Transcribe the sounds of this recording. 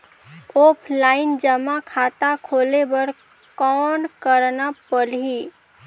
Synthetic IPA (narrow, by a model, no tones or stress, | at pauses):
oːpʰlaːɪnd͡ʒəmakʰaːt̪akʰoːlebəɾ | kɔːnkəɾnapəlɦi